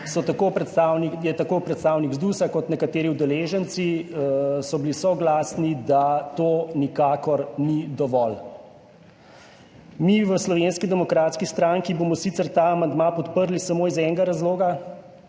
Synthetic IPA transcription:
sɔt̪akopɾɛt̪st̪awnijɛt̪akoːpɾɛt̪st̪aːwniɡzd̪usakɔt̪nɛkat̪eːɾiwd̪ɛleːʒənt̪si | sɔbilisɔɡlaːsnid̪at̪oːnikaːkɔɾnid̪ɔʋɔl | miʋəslɔʋeːnskid̪ɛmɔkɾaːt̪skist̪ɾaŋkiboːmɔsit̪səɾt̪aːmand̪maːpɔt̪pəɾlisamoːizɛŋɡaɾazloːɡa

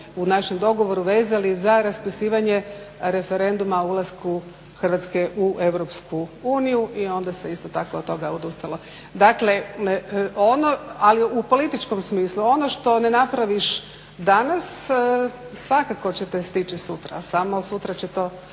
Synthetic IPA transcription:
unaʃemd̪o̞ɡo̞ʋo̞ɾuʋeːzalizaɾaspisiːʋaɲe | ɾe̞feɾe̞nd̪umaulˠasku | xrʋat̪ske̞ʔuʔe̞ʋɾo̞pskʰuuːnijuʔio̞nd̪ase̞ist̪ot̪akoːt̪t̪ːo̞ɡaod̪ust̪alo | d̪akle̞ | ʔonoaliupo̞lit̪it͡ʃko̞msmiːslˠuo̞noʃt̪o̞ne̞napɾaʋiʃ | d̪anas | sʋakako̞t͡ɕe̞t̪est̪it͡ɕisut̪ɾa̰samo̞sut̪ɾat͡ɕet̪o̞ː

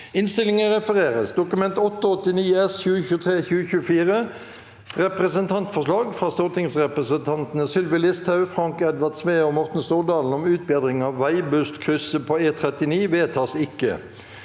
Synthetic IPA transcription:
ɪnst̪ɪlɪŋəʁɛfəʁeːʁəsd̪ʊkʉmɛnt̪ɔt̪ːəɔt̪ːɪniːɛsçʉːəçʉːt̪ʰʁeːçʉːəçʉːəfiːʁə | ʁɛpʁɛsənt̪ʰɑnt̪fɔʁʂlɑːɡfʁɑːst̪oːʁt̪ʰɪŋsʁɛpʁəsənt̪ʰɑnt̪nəsʏlʋɪlɪst̪hɑʉfʁɑŋkɛd̪ʋɑd̪sʋeːɔmɔʁt̪n̩st̪uːd̪ɑːln̩ɔmʉːt̪̚bɪd̪ʁɪŋɑːʋːæɪbʉst̪kʰʁʏsəpʰoeːt̪ʰʁɛt̪ɪniːʋeːt̪ʰɑːsɪkːə̰

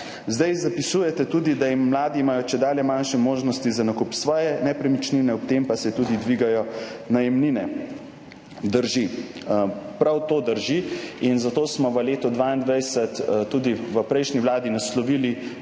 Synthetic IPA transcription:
zd̪ajzapisuːjɛt̪ɛt̪uːd̪id̪ajimːlaːd̪iːmaːjɔt͡ʃɛd̪aːljɛmanʃɛmoːʒnɔst̪izanakupsʋɔːjɛnɛpɾɛmit͡ʃninɛɔp̚t̪empasɛt̪uːd̪id̪ʋiɡajɔnajɛmninɛ | d̪əɾʒi | pɾawt̪oːd̪əɾʒiinzat̪oːsmɔʋəleːt̪ɔd̪ʋaːind̪ʋɛjsət̪t̪ːuːd̪iʋəpɾɛjʃniwlaːd̪inaslɔʋiːli

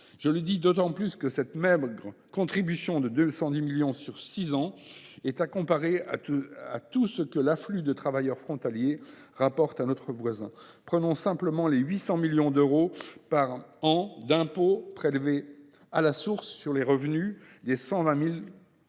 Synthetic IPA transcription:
ʒ̥ələd̪id̪ot̪ɑ̃plyskəsɛt̪mɛbʁəkɔ̃t̪χibysjɔ̃d̪əd̪øsɑ̃d̪imiljɔ̃syʁsizɑ̃ɛt̪akɔ̃paʁea̰a̰t̪usəkəlaflyd̪ət̪χavajœʁfχɔ̃t̪alje | ʁapɔʁt̪anot̪χəvwazɛ̃pχənɔ̃sɛ̃pləmɑ̃leɥisɑ̃miljɔ̃d̪øʁopaʁɑ̃d̪ɛ̃popχelve | alasuʁsːyʁleʁəvnyd̪esɑ̃vɛ̃mil

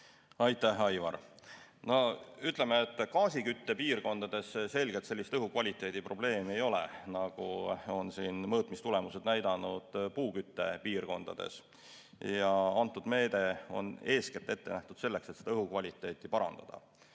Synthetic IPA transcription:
ɑjt̪ˑːæhɑjvɑ̰ɾno̞yt̪ˑle̞meːt̪ːˑkɑːsikyt̪ːe̞piːrko̞nd̪̥ɑd̪e̞sse̞lʲɡ̥et̪selːist̪ɤɦukvɑlʲit̪ːˑe̞ːd̪ipro̞ble̞ːmie̞jo̞lḛnɑɡ̥uo̞nsiːnmɤːt̪ˑmist̪ule̞mused̪̥næjd̪ɑnud̪̥puːkyt̪ːe̞̰piːrko̞̰nd̪̥ɑ̰d̪̥e̞̰s | jɑɑnt̪ːˑud̪me̞ːd̪̥e̞o̞̰ne̞ːsket̪ːˑe̞t̪ːenæht̪ud̪̥se̞lːe̞kset̪sed̪ɑɤɦukvɑlʲit̪ˑːe̞ːt̪ːˑipɑɾɑ̰nd̪̥ɑ̰d̪̥ɑ̰

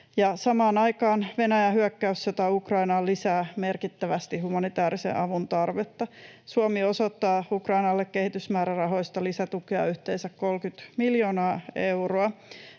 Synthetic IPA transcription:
jɑsɑmɑːnɑjkɑːnʋe̞næjæɦyækːæysːot̪ɑukrɑinɑlisæːmerkit̪ːæʋæst̪ihumɑnit̪æːɾisḛʔɑʋunt̪ɑrʋet̪ːɑsuomiosot̪ːɑːukrɑinɑlːekke̞hit̪ysmæːɾærɑɦo̞jst̪ɑlisæt̪ukeɑ̰yht̪eːnsækkolkyt̪miljo̞ːnɑːeuwroɑ

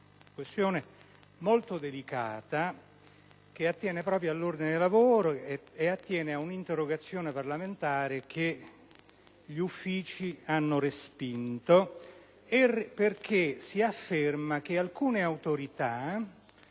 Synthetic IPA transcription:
kwest̪joːne | molt̪od̪elikaːt̪a | k̟eat̪ːjɛːnepɾɔːpɾjoalːord̪ined̪elːavoːɾoeat̪ːjɛːneaunint̪erːoɡat̪sːjoːneparlament̪aːɾek̟e | ʎiufːiːt͡ʃianːorespint̪o | erperk̟esiafːermak̟ealkuːneawt̪oɾit̪a

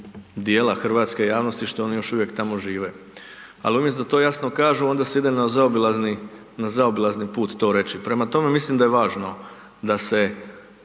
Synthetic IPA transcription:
d̪jeːlˠaxr̩ʋaːt̪ske̞jaːʋno̞st̪iʃt̪oo̞nijo̞ʃuʋjekt̪amo̞ʒiːʋe | a̰liumjesd̪at̪o̞ːjasno̞kaːʒuo̞nd̪aseid̪emnazaobilazni | nazaobilaznipuːt̪ːo̞ːɾe̞t͡ʃipɾe̞mat̪o̞me̞mislimd̪ajeʋaːʒno̞ | d̪ase̞

